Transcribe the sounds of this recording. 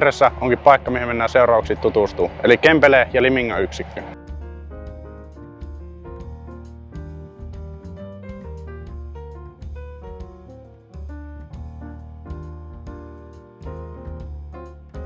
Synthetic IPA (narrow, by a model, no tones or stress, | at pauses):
resːæʔoŋkippɑˑekːɑmihemenːæːseorɑuksit̪ːut̪ust̪uːelikːempelejɑlimiŋːɑyksikːø